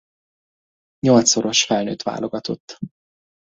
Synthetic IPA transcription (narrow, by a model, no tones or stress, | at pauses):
ɲo̞lt̪soɾo̞ʃfɛlnø̰ːt̪ʋa̰ːlo̞ɡɒt̪o̞t̪ː